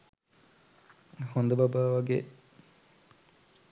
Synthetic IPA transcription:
hond̪əbabaːʋaɡḛ

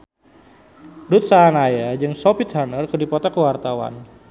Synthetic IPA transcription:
dut̪̚saanajad͡ʒɨŋsɔpit̪hanərkədipɔt̪akəwart̪awa̰n

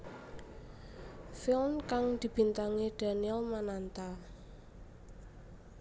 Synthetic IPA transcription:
filnkaŋd̪̥i̤b̥i̤nt̪aŋiɖ̥aniɛlmanant̪a

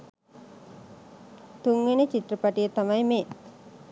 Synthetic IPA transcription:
t̪uŋʋenet͡ɕit̪rəpaʈijet̪amajmeː

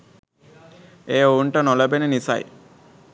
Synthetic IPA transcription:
eːoɳʈɐnɔlɐbenenisa̰j

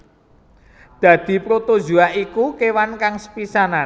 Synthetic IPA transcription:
d̪̥ä̤d̪̥i̤pɾot̪o̥ʒuaʔikukewankaŋsə̥pisanan

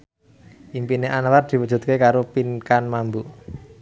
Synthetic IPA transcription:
ʔimpineʔanaward̪̥i̤wəd̥ʒ̥ṳt̪̚kekaɾopinkanmambuʔ

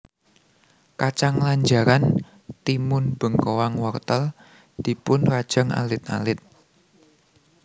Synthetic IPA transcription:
kat͡ʃaŋlaɲd͡ʒaɾan | t̪imʊnb̥ə̤ŋkowaŋwɔrt̪əl | d̪̥i̤pʊnrad̥ʒ̥a̤ŋa̰lɪt̪̚a̰lɪt̪̚

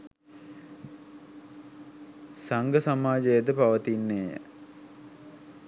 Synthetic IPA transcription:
saŋɡəsamaːd͡ʒəjəd̪əpaʋət̪inːeːə̰

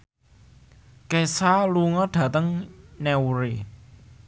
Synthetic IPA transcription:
kesaluŋɔɖ̥ä̤t̪əŋnɛwɾe

